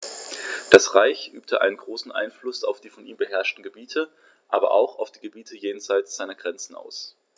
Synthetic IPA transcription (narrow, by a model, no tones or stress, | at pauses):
d̥asʁaɪçʔyːp̚tʰəʔa̰ɪnənɡʁoːsn̩ʔa̰ɪnflʊsa̰ʊfd̥iːfɔnʔiːmbəɦɛɐʃtn̩ɡəbiːtʰə | ʔaːbɐ̰ʔa̰ʊxaʊfd̥iːɡəbiːtʰəjeːnzaɪt͡sz̥aɪnɐɡ̥ʁɛnt͡sn̩a̰ʊs